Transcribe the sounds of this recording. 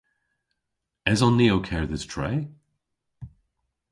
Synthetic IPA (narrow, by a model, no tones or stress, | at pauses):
ɛzɔnːioʊkʰɛɹðɪz̥tʰɹ̥eɪ